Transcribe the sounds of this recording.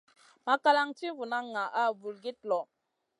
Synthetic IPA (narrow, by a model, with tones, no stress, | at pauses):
ma˨ka˦la˦ŋti˦vu˨na˦ŋa˨ʔa˦˨vu˨lɡi˦t̚lɔ˨